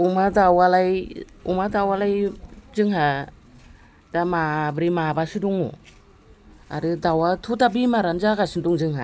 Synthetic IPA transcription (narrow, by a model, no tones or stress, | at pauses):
umadawalaj | umadawalajzɯŋɦa | damabɾimabasiduŋṵ | a̰ɾɯdawatʰutabimaɾand͡ʒaɡasinduŋd͡ʒɯŋɦa̰